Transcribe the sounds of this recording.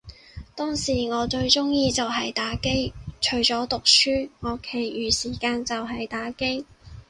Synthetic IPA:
t̪ɔː˥ŋsiː˨˩ŋɔː˨˧t͡ʃɵ˧ɥt͡sʊ˥ŋjiː˧t͡sɐ˨wɦɐ˨jt̪aː˨˥ke˥jt͡ʃʰɵ˨˩ɥt͡sɔː˨˥t̪ʊ˨k̚syː˥ŋɔː˨˧kʰe˨˩jjyː˨siː˨˩kaː˧nt͡sɐ˨wɦɐ˨jt̪aː˨˥ke˥j

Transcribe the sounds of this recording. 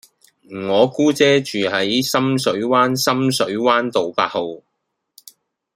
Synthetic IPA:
ŋɔː˨˧kuː˥t͡sɛː˥t͡ʃyː˨hɐ˨˦˥jsɐ˥msɵ˨˥ɥwaː˥nsɐ˥msɵ˨˥ɥwaː˥nt̪o˨wpa̰ː˧t̚ho˨w

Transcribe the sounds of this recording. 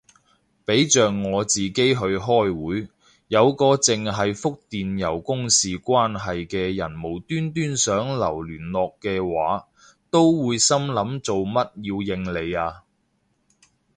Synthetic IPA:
pe˨˥jt͡ʃœː˨ŋːɔː˨˧t͡siː˨ke˥jɦɵ˧ɥɦɔː˥jwuː˨˥j | jɐ˨˧wkɔː˧t͡sɪ˨ŋɦɐ˨jfʊ˥k̚t̪iː˨njɐ˨˩wkʊ˥ŋsiː˨kʷaː˥nɦɐ˨jkɛː˧jɐ˨˩nmo˨˩wt̪yː˥nt̪yː˥nsœː˨˥ŋlɐ˨˩wlyː˨˩nlɔː˨kːɛː˧waː˨˥ | t̪o˥wwuː˨˧jsɐ˥mlɐ˨˧˥mt͡so˨wmɐ˥t̚jiː˧wjɪ˧ŋle˨˧jaː˧

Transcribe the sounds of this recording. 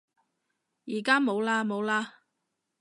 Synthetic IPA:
jiː˨˩kaː˥mo˨˧wlaː˧mo˨˧wlaː˧

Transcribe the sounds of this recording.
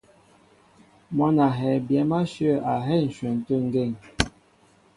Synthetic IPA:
mɔ˦na˨ɦɛ˨bjɛ˨˦ma˦ʃə˦˨a˨ɦɛ˦˨n̩˨ʃɥɛ˨n̩˨tə˦˨ŋ̩˦ɡe˦˨ŋ

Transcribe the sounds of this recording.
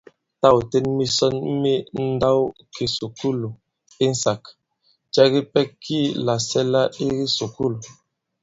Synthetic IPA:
ta˦˨wtɛ˦nmi˦sɔ˦nmi˦n̩˦da˦wkʰi˨su˨ku˦lu˨ | i˦n̩˦sa˨k | d͡ʒa˦ɡi˦pɛ˦kʰːi˦la˨sɛ˦la˦i˦ɣi˦su˨ku˦lu˨

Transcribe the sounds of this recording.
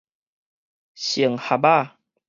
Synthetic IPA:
ɕi˨˩˨ŋha˨ba˥˨

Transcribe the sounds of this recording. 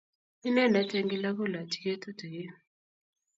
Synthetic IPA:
i˦nɛ˦˨na˨˦te˦ŋɡi˦la˦ko˦˨la˨ti̥˨ke˦to˦to˨je˦

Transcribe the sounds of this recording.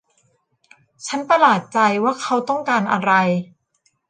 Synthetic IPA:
t͡ɕʰa˦˥npa˧laː˨˩t̪̚t͡ɕa˧jwaː˥˩kʰa˦˥wt̪ɔ˥˩ŋkaː˧nʔa˧ɾa˧j

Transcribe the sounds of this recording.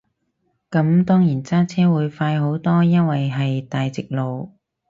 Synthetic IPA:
kɐ˨˧˥mt̪ɔː˥ŋjiː˨˩nt͡saː˥t͡sʰɛː˥wuː˨˧jfaː˧jɦo˨˥wt̪ɔː˥jɐ˥nwɐ˨jɦɐ˨jt̪aː˨jt͡sɪ˨k̚lo˨˧w

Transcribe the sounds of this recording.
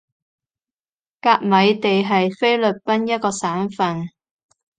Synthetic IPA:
kaː˧k̚mɐ˨˧jt̪e˨jɦɐ˨jfe˥jlɵ˨p̚pɐ˥njɐ˥t̚kɔː˧saː˨˥nfɐ˨n

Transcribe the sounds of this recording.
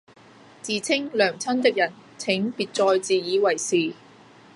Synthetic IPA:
t͡siː˨t͡sʰɪ˥ŋlœː˨˩ŋt͡sʰɐ˥nt̪ɪ˥k̚jɐ˨˩n | t͡sʰɪ˨˥ŋpiː˨t̚t͡sɔː˧jt͡siː˨jiː˨˧wɐ˨˩jsiː˨˩

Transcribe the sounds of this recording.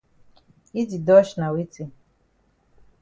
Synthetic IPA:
i˦di˨dɔ˦ʃna˨wi˦te˨

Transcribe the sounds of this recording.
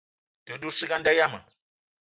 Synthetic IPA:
te˨du˦si˦ka˦nda˦ja˦ma̰˨

